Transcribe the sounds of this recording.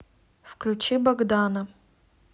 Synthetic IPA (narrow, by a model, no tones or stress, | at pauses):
fklʲut͡ɕibɐɡd̪anə